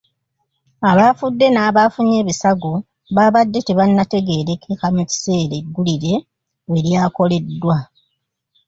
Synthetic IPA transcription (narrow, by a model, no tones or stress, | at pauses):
aβafudːe̞naːβafuɲe̞ːβisaɡo | βaβadːe̞teβanːate̞ɡe̞ːɾe̞kikamuci̥se̞ːɾeɡːuliɾe̞ | we̞ɾjaːko̞le̞dːwa